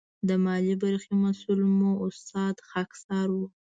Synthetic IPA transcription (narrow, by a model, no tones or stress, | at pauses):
d̪əmɑlibaɾximasulmuʊst̪ɑd̪xaksɑɾwu